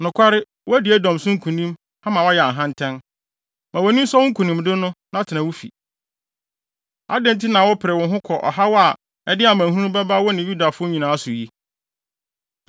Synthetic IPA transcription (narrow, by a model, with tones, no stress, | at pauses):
nʊ̃˨kʷʰa˦ɾɪ˦ | wɔ˦æ˦dɪ˨ɛ˦dɔ̃˨msʊ̃˦ŋ̩˦kʰũ˨nĩ˦m | ã˦mã˨wɔ˦ja˨ɦã˦ntʰɛ̃˦n | mã˨wɔ˨nĩ˦m̩˦sɔ˦wʊ̃˦ŋ̩˦kʰu˨nĩ˨mdɪ˦nʊ̃˦nã˦tʰɪ˨nã˨wʊ˦fḭ˨ | a̰˦dɛ̃˦n˨tʰi˦nã˨wɔ˦pʰɪ˨ɾɛ˨wʊ̃˨ɦʊ̃˦kʰɔ˨ʔɔ̰˨ɦa˦wɔ˦a˨ | ɛ˦dɪ˦a˨mãæ̃˨hũ˦bɛ˦ba˦wɔ˦nɪ̃˨ju˦da˨fʊ˦ɲĩ˨nãː˨a˦sʊ˨ji˦